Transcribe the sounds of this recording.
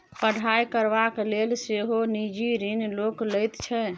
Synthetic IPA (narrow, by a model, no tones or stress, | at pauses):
pəɽ̤ʱajkəɾbaklelseɦonid͡ʒiɾinlokləjt̪t͡ʃʰɛ